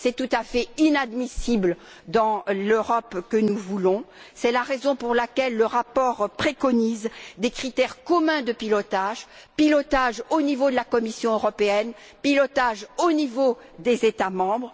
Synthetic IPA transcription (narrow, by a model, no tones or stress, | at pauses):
sɛt̪ut̪afɛinad̪misibl | d̪ɑ̃løʁɔpkənuvulɔ̃sɛlaʁezɔ̃puʁlakʲɛlːəʁapɔʁpχekɔnizd̪ekχit̪ɛʁkɔmɛ̃d̪əpilɔt̪aʒpilɔt̪aʒonivod̪əlakɔmisjɔ̃øʁɔpeɛn | pilɔt̪aʒonivod̪ezet̪amɑ̃bʁ